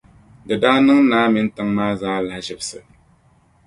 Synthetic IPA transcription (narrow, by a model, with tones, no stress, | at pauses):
dɨ˨daː˦nɨ˦ŋ˦naː˦mɪ˦n˦tɨ˦ŋmaː˦zaː˦la˦hʒɪ˨bsɨ˨